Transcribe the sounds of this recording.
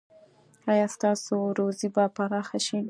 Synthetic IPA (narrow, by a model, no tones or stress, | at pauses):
ɑjɑst̪ɑsoɾozibapaɾɑxaʃi